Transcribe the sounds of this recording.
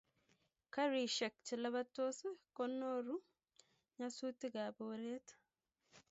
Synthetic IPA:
kɐɾiːʃɛk̚t͡ʃɪlɐβɐt̪ːoːsʊkɔnːoːɾu | ɲɐsuːt̪ːɪɡaːbowɾeːt̪ɐ̥

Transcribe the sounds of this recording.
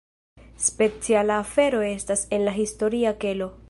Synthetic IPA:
spe̞t͡sialaːfe̞ɾo̞e̞stase̞nlaɦisto̞ɾiake̞lo̞

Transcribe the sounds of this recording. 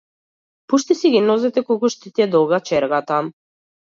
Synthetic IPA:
puʃt̪isiɡʲinɔzɛt̪ɛkɔlˠkuʃt̪it̪ɛd̪ɔɡat͡ʃɛɾɡat̪a

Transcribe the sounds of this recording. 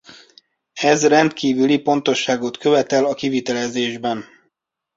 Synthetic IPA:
ɛzrɛnt̪kiːvylipo̞n̪t̪o̞ʃːaːɡo̞t̪kø̞vɛt̪ɛlɒkivit̪ɛlɛzeːʒbɛn

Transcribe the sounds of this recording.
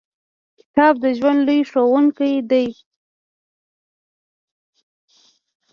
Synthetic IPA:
kɪ̥t̪ɑb̚d̪əʒwand̪lujʂowuŋkajd̪aj

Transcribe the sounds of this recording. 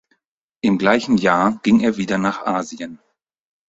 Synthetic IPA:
ʔɪmɡlaɪçn̩jaːɡ̥ɪŋeːɐviːdɐnaːχʔaːziən

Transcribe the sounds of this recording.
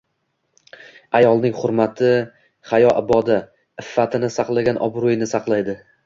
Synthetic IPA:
ajɒlˠnɪŋχʊɾmat̪ʰɪ | χajɒʔɪbɒd̪a | ɪfːat̪ʰɪnɪsɑqlˠaɡʲanʔɒ̰bɾʊjɪnɪsɑqlˠajd̪ɪ

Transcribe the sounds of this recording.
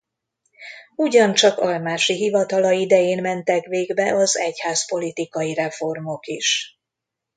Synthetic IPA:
uɟɒnt͡ʃɒkɒlmaːʃiɦivɒt̪ɒlɒid̪ɛjeːnmɛnt̪ɛkʋeːɡbɛʔɒzɛchaːzpo̞lit̪ikɒjiɾɛfo̞rmo̞kiʃ

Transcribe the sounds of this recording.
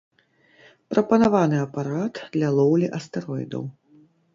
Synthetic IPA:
pɾɐpɐnavanɨɐpaɾat̪d̪lʲɐlˠɔwlʲiʔɐst̪ɛɾɔjd̪ɐ̰w

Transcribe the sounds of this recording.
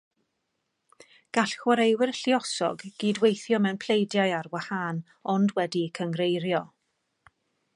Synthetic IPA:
ɡ̥aɬxwaɾejwɪrɬiɔsɔ̰ɡɡ̥iːdwejθjɔmɛwnpʰl̥ejdjajarwahan | ɔndwɛdikʰəŋrejɾjɔ

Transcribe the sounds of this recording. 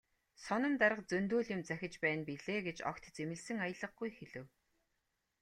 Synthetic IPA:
sɔnɞ̆mt̪aɾə̆q̚t͡sɵnt̪uːɮjʊ̆mt͡sæxʲɪ̆t͡ɕpæːnpiɮeːɡet͡ɕɔ̰kt̪t͡semɘ̆ɮsɘ̆ŋajə̆ɮə̆χ̚ɡujxeɮɘ̆w

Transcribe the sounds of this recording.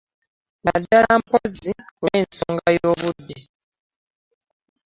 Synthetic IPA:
nadːalampozioinsoŋɡajoːβudːe

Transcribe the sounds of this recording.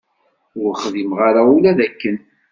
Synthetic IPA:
ʊɾχðimʁaɾaulæðækːən

